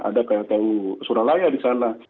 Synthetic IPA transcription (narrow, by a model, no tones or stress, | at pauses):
a̰dakajat̪ausuɾalajadisana